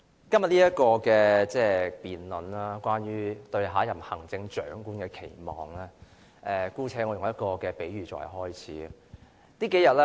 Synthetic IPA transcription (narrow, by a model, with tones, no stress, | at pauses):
kɐ˥mjɐ˨t̚liː˥jɐ˥t̚kɔː˧kɛː˧t͡sɛː˥˧piː˨nlɔ˨naː˥kʷaː˥nɥyː˥t̪ɵ˧ɥɦaː˨˥jɐ˨˩mhɐ˨˩ŋt͡sɪ˧ŋt͡ʃœː˨˥ŋkuː˥nkɛː˧kʰe˨˩jmɔː˨˩ŋlɛː˥ | ʔɛː˧kuː˥t͡sʰɛː˧˥ŋɔ˨˧jʊ˨ŋjɐ˥t̚kɔː˧kɛː˧pe˨˥jɥyː˨˩t͡sɔ̰ː˨˩hɐ̰˨˩ɦɔː˥jt͡sʰḭː˨˥˨ | t̪iː˥ke˨˥jɐ˨t̚lɛ˦˥